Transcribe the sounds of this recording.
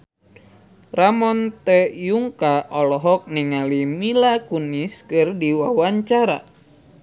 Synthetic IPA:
ramɔnt̪ɛjuŋkaʔɔlɔɦɔk̚niŋalimilakuniskɨrdiwawaɲt͡ʃaɾa̰

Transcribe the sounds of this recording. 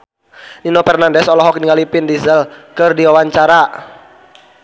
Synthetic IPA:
ninopɛrnandɛsɔlɔɦɔk̚niŋalipɪndizəlkɨrdiwawaɲt͡ʃaɾa

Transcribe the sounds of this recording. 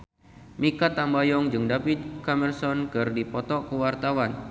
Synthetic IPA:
mikat̪ambajɔŋd͡ʒɨŋdapit̪̚kamɛrsɔnkɨrdipɔt̪ɔkəwart̪awan

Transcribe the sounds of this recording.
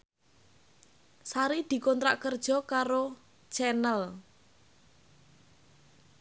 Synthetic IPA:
saɾid̪̥i̤kɔnt̪ɾa̰ʔkərd̥ʒ̥ɔ̤kaɾo | t͡ʃɛnəl

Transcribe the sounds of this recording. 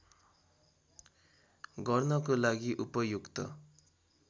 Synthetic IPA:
ɡʌrnʌkolaɡiʔupʌjukt̪ʌ̰

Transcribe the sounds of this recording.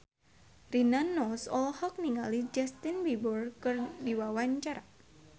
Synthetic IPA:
rinanɔsɔlhɔk̚niŋalid͡ʒɛst̪inbibɔrkɨrdiwawaɲt͡ʃaɾa

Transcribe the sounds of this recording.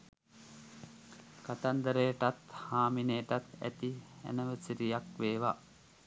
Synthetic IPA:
kat̪and̪əɾejʈat̪haːmineːʈat̪æ̰t̪iæ̰nəʋəsiɾijakʋeːʋa

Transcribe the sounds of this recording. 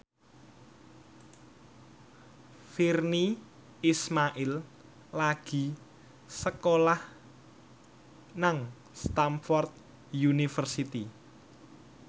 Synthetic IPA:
firni | ismaʔil | laɡ̥i̤ | səkolah | naŋ | st̪amfɔrt̪̚ | junifərsit̪i

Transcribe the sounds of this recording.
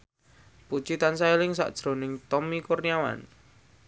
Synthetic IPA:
put͡ʃit̪ansailɪŋsa̰ʔd̥ʒ̥ɾo̤nɪŋt̪ɔmikurniawa̰n

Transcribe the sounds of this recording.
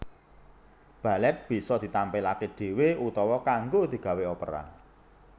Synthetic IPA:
b̥ä̤lɛt̪̚b̥i̤sɔd̪̥i̤t̪ampɛlakeɖ̥e̤weut̪ɔwɔkaŋɡod̪̥i̤ɡ̥ä̤weopəɾa̰

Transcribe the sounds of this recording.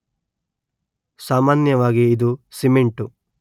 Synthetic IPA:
saːmaːnjɐʋaːɡiːd̪usimeɳʈu

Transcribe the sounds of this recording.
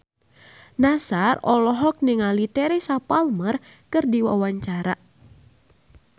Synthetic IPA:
nasarɔlɔɦɔk̚nɪŋalit̪ɛɾesapalmərkɨrdiwa̰waɲt͡ʃaɾa̰

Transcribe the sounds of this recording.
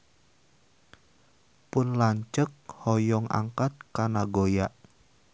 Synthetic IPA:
pʊnlaɲt͡ʃək̚hɔjɔŋa̰ŋkat̪̚kanaɡojaʔ

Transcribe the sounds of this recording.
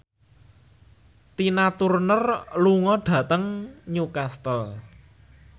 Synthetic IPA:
t̪inat̪urnərluŋɔɖ̥ä̤t̪əŋɲukast̪əl

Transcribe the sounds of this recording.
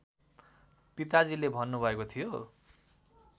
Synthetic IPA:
pit̪ad͡zilebʱʌnːubʱʌekot̪ʰijo

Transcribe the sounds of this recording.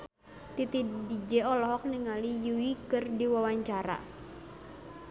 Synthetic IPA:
t̪it̪idid͡ʒɛɔlɔɦɔk̚niŋalijuwikɨrdiwawaɲt͡ʃaɾa̰

